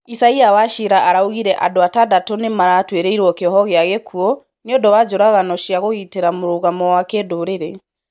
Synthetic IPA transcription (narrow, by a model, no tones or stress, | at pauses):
isaiawaʃiɾaʔaɾauɣiɾɛʔadoatadatonemaɾaːtweɾeiɾwɔkeɔɦɔɣeaɣekʰuɔ | niɔdɔwad͡ʒoɾaɣanɔʃiaɣoɣiteɾamoɾoɣamɔwakedoɾeɾe